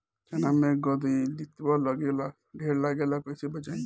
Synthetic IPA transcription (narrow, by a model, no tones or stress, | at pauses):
kenameɡəd̪əlit̪baləɡela | ɖʱeɾlaɡelakoisebət͡ʃaĩn